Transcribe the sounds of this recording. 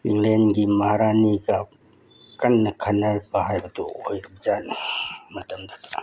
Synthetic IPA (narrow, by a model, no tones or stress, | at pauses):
wiŋlenɡimahaɾaniɡa | kɐnːɐkʰanɐɾbɐhajbɐdṵojɾibzanmɐtɐmdat